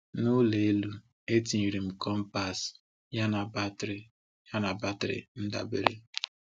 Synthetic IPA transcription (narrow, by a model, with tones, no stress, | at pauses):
nʊ˦le˨e˦lu˦ | e˦ti˨i˨ɾi˨m̩˨kɔ˦m̩˦pa˨s | ja˦na˨ba˦tɾɪ˨ | ja˦na˨ba˦tɾɪ̰˨n̩˦da̰˨bḛ˦ɾḛ˦